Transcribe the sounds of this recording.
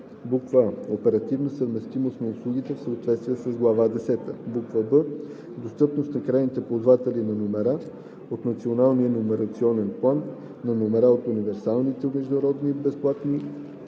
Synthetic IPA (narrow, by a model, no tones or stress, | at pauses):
bukvəopɛɾɐt̪ivnəsəvmɛst̪imost̪nɐʊslˠuɡʲit̪ɛfsəot̪vɛt̪st̪viɛsəzɡlˠɐvad̪ɛsɛt̪ə̰bukvəbə | d̪ost̪ɤpnost̪nɐkɾajnit̪ɛpozvat̪ɛlinɐnomɛɾa | ot̪nɐt̪sionalˠnijənomɛɾɐt̪siɔnɛnplˠanː | ɐnomɛɾaot̪univɛɾsalˠnit̪ɛʊnɛʒd̪ɐɾɔd̪nibɛsplˠat̪ni